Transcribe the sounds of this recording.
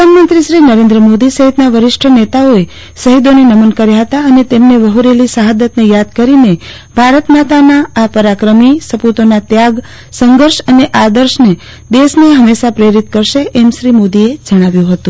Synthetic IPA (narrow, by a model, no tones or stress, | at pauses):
pəd̪anmə̃nt̪ɾiʃɾinəɾẽnd̪ɾəmod̪isəɦit̪naʋəɾɪʃʈʰənet̪aoe | səɦid̪onenəmənkəɾjaɦət̪aənet̪emneʋəɦuɾelisəɦad̪ət̪nejad̪kəɾine | bʱaɾət̪nat̪anaːpəɾakɾəmisəput̪onat̪jaɡ | səŋɡəɾʃəneʔad̪əɾʃne | d̪esneɦəmeʃapɾeɾit̪̚kəɾʃeʔemʃɾimod̪ied͡ʒəɽ̃aʋjũɦət̪ũ